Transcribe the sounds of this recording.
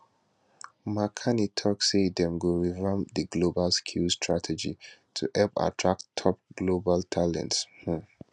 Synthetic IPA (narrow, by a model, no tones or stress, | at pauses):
makʰanitʰɔksedɛ̃mɡoɹivãmdəɡlobalskʰulstʰɹatʰɛd͡ʒḭtʰṵhɛlpa̰tʰɹak̚tʰɔp̚ɡ̥lobaltʰalɛ̰̃ntsh